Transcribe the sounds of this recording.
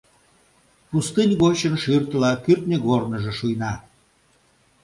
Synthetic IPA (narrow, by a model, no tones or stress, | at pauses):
pust̪ɨnʲɣot͡ɕənʃyrt̪əlɑkyrt̪nʲeɣornəʒĕʃujnɑ